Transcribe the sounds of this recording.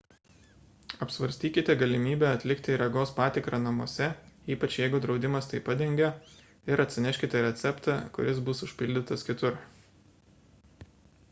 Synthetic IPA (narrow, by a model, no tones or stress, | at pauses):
ɐpʲsʋɐɾʲsʲt̪ʲiːkʲɪt̪ʲɛɡɐlʲɪmʲiːbʲɛːɐt̪ʲlʲɪkt̪ʲɪɾɐɡoːspɑːt̪ʲɪkɾɑnɐmuɔsʲɛiːpɐt͡ʃjɛɪɡʊd̪ɾɒʊd̪ʲɪmɐst̪ɐɪpɐd̪ʲɛŋʲɡʲo | ɪɾɐt̪ʲsʲɪnʲɛʃʲkʲɪt̪ʲɛɾʲɛt̪sʲɛpt̪ɑkʊ̰ɾʲɪsbʊsʊʃʲpʲɪlʲd̪ʲɪt̪ɐskʲɪt̪ʊɾ